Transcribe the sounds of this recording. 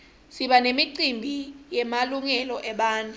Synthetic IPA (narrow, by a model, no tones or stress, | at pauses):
siɓanemiǀimbʱijɛmaluŋɛlɔʔɛɓaːntʼu